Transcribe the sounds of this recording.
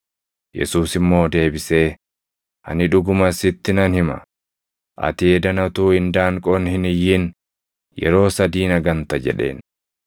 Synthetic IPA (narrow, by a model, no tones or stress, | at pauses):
jɛ̰suːsɪmːo̞ːd̪e̞ːbɪse̞ː | ʔɐ̰nɪᶑʊɡʊmɐsɪt̪ːɪnɐnhɪmɐ̰ | ʔɐ̰t̪ɪɛd̪ɐnɐt̪uːhɪnd̪aːŋkʼɔnhɪnɪjːɪn | jɛ̰ɾo̞ːsɐd̪iːnɐɡɐnt̪ɐd͡ʒɛ̰ᶑe̞̰ːn